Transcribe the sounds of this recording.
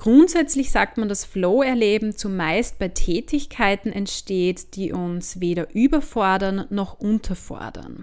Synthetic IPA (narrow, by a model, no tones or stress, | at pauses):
ɡ̥ʁʊntz̥ɛt͡slɪçz̥aːk̚tmandasfloːɛɐleːbm̩t͡sumaɪst̚b̥aɪtʰɛːtʰɪçkʰaɪtn̩ɛntʃteːtd̥iːʔʊnsveːɾɐʔyːbɐfɔɐdɐnːɔxʔʊntʰɐfɔ̰ɐdɐ̰n